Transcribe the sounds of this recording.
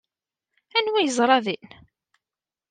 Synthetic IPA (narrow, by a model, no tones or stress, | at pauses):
ænwæjəzˤɾˤɑðin